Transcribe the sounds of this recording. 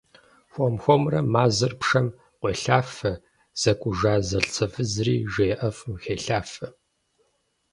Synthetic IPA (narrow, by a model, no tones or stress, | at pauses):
xʷɔmxʷɔmrɐmaːzɐrpʂɐm | qʷeːɬaːfɐ | z̥ɐkʷʼʊʒaːzɐɬt͡sʰɐfɨzriːʒeːʔɐfmxeːɬaːfɐ